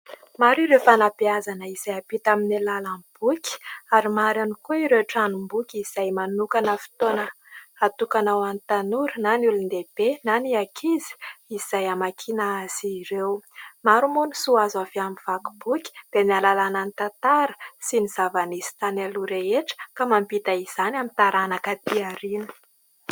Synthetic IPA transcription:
maɾiɾewfanapiazanəiz̥ajapit̪aminilalamb̥ukʲi̥aɾimaɾanikuiɾeʈ͡ʂanumbukʲiz̥ajmanukanəfi̥t̪onə | at̪ukanawanit̪anuɾnanulund̪eb̥enaniakʰizi̥iz̥ajamakʰinaaz̥iɾewmaɾumunisuazaveamiv̥akubukʲi̥d̪̥emialalananit̪ant̪aɾə̥siniz̥avaniz̥i̥t̪aneluɾeeʈ͡ʂə̥kamampit̪aiz̥anamint̪aɾanakat̪iaɾinə̥

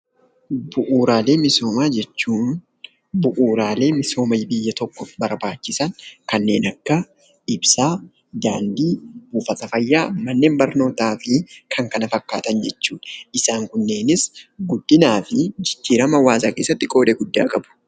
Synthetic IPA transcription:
bʊʔuːɾaːle̞ːmɪso̞ːmaːd͡ʒɛt͡ʃːuːn | bʊʔuːɾaːle̞ːmɪso̞ːmɐjbɪjːɐt̪ɔkːɔfbɐɾbaːt͡ʃːɪsɐŋkɐnːe̞ːnɐkːɐ | ɪbsaː | d̪a̰ːnd̪iːb̥uːfɐt̪ɐfɐjːaːmɐnːe̞ːmbɐɾno̞ːt̪aːfɪkʰɐŋkɐnɐfɐkːaːt̪ɐnd͡ʒɛt͡ʃːuːᶑɐ̥ʔɪsaːŋkʊnːe̞ːnɪsɡʊd̪ːɪnaːfɪd͡ʒɪd̪ːiːɾɐmɐwaːzaːke̞ːsːɐt̪ːɪkʼo̞ːd̪ɛɡʊd̪ːa̰ːkʼɐbʊ̥

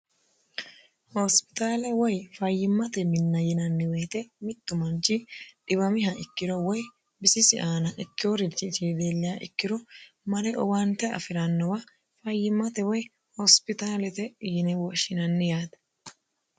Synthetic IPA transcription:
hɔspɪ̥t̪aːlɛwɔjfɐjːɪmːɐt̪ɛmɪnːɐjɪnɐnːɪweːt̪ɛmɪt̪ːʊmɐnt͡ʃɪᶑɪbɐmɪɦɐɪkːɪd̪ɔwɔj | bɪsɪsɪʔaːnɐʔɪkːɪɔɾɪt͡ʃɪt͡ʃeːd̪eːlːɪjaʔɪ̰kːɪɾɔ | mɐɾɛʔɔwant̪ɛɐ̰fɪɾɐnːɔwɐ | fɐjːɪmːɐt̪ɛwɔj | hɔspɪt̪aːlɛt̪ɛjɪnɛwɔʃɪnɐnːɪjaːt̪ɛ̥

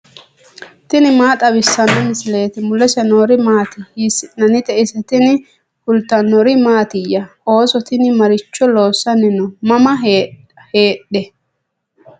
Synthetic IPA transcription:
t̪ɪnɪmaːt̪ʼɐbɪsːɐnːɔmɪsɪle̞ːt̪ɪmʊlɛsɛnoːɾɪmaːt̪ɪhisɪnɐnɪt̪ɛʔɪsɛt̪ɪnɪ | hʊlt̪ːɐnːɔɾɪmaːt̪ɪjɐ | o̞ːsɔt̪ɪnɪmɐɾɪt͡ʃːɔlo̞ːsːɐnɪnɔmɐmɐɦe | heːɗɛ

